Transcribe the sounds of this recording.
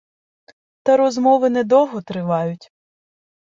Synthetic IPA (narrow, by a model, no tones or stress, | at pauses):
t̪ɐɾɔzmɔʋɪnɛd̪ɔɦɔt̪ɾɪʋɑjʊtʲ